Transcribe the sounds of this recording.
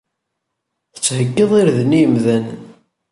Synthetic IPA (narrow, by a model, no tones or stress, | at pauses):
θə̥t͡sːhəɡːəðˤiɾðnijəmðæn